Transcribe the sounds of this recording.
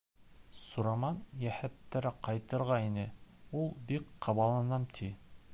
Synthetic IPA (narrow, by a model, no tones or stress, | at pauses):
suɾɑmɑnjæhæt̪ːæɾæqɑjt̪ɤ̆ɾʁɑinɘulˠbikqɑβɑlˠɑnɑmt̪ʰi